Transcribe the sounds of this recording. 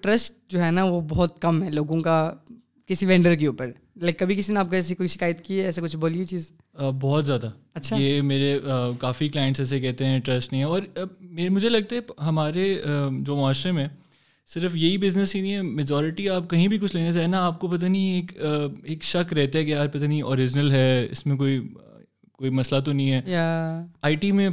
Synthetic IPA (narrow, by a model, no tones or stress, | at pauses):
ʈɾɐsʈ̚ | d͡ʒoːɦɛnaʋobɔːt̪kɐmɦɛloːɡõka | kɪsiʋɛ̃ːɳɖəɾk̬euːpəɾ | lːkːɐbʱik̬ɪsineaːp̚koɛːs̬ikʊiʃɪ̥kaːjət̪kiɛɛːsekʊt͡ʃʰboːliet͡ʃiːz | əːbɔːɔt̪zjaːd̪aɐtːʃʰajeːmeːɾeəkaːfiklaːɪə̃ɳʈsɛːs̬ekɛɦt̪eɦɛ̃ʈɾɐsʈnɐɦĩɦɛ̃ɔːɾmeːmʊd͡ʒʱelɐɡ̚t̪aɦɛɦɐmaːɾeəd͡ʒoːmʊaːʃɾemẽː | sɪɾəfjɐɦibɪznəsinĩɦɛmed͡ʒɔːɾɪʈiaːp̚kɐɦĩbʱikʊt͡ʃʰleːnat͡ʃaːɦenaaːp̚kopɐt̪̬anieːkːeːkʃɐkɾɛɦt̪aɦɛkeaːɾpɐt̪aniɔːɾɪd͡ʒnəlɦɛːɪ̰smẽk̬oːi | koːimɐslat̪̬onɐɦĩɦɛːjaaːiʈimẽ